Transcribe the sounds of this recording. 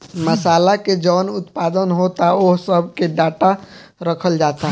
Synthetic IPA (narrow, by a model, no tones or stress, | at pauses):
məsalaked͡ʒənut̪pad̪ənɦot̪aoɦsəbʱkeɖaʈa | ɾəkʰəld͡ʒat̪a